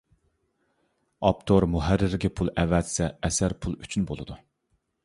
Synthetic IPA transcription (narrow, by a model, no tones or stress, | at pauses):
ɑp̚t̪ʰoɾmuɦæɾːɪɾɡʲɛpʰulˠɛvɛt̪sɛɛsæɾpʰulˠyt͡ʃʰynbolˠɨd̪u